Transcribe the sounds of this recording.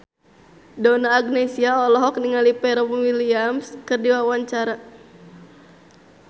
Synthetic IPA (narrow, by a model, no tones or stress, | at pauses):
dɔnaːɡnesiaɔlɔɦɔk̚niŋalipɛɾɔmwiliamskɨrdiwawaɲt͡ʃaɾa